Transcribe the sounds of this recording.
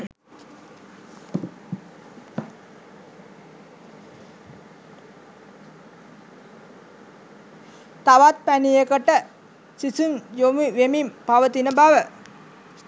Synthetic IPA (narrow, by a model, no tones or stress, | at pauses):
t̪aʋat̪̚pænijəkəʈə | sisunjomiʋemimpaʋət̪inəbaʋə